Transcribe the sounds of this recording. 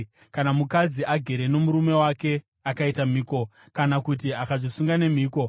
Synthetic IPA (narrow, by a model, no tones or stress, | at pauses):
kanamukad͡ziʔaɡʱe̞ɾe̞no̞muɾume̞wake̞ | akaitamiːko̞ | kanakut̬iakaʐisuŋɡane̞miːko̞